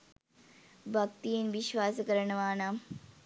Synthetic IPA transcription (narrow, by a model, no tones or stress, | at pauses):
bʱɐk̚t̪ijinʋiʃʋaːsɐkɐɾɐɳɐʋaːnaːm